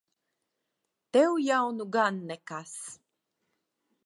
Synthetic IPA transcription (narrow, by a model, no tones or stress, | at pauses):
t̪ewjawnuɡanːɛkas